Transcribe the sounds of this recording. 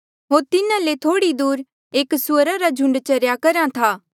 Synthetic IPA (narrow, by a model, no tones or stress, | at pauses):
ɦoːɾt̪ɪnãlet̪ʰoːɽid̪uːɾ | eːksʊəɾaɾad͡ʒʱʊ̃ɳɖt͡ʃɐɾjakɐɾãt̪ʰaː